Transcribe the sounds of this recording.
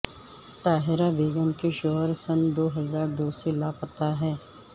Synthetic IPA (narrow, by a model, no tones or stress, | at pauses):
t̪aːɦɪɾabeːɡəmkeʃoɦəɾsɐnd̪oːɦɐzaːɾd̪oːsilaːpət̪aɦɛː